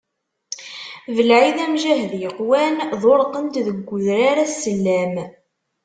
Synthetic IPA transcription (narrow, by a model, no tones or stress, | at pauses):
vəlʕiðæmʒæɦðjəqwænðˤoɾqənd̪ðəɡʷːʊðɾaɾæsːəlːæm